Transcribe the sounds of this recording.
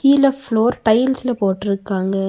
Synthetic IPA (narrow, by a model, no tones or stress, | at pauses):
iːlɐfloːɾʈɐɪɪlsɪlɐpoːʈːɪɾɯkːaːŋɡɐ